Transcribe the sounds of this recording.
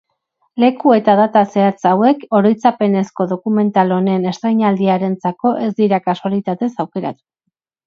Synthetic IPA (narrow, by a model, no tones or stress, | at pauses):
le̞kue̞t̪aðat̪ase̞at͡sawe̞ko̞ɾojt͡sape̞ne̞sko̞ðo̞kume̞nt̪alo̞nene̞st̪ɾejɲald̪iaɾe̞nt͡sako̞ʔe̞zd̪iɾakasoalit̪at̪e̞sawke̞ɾa̰t̪u̥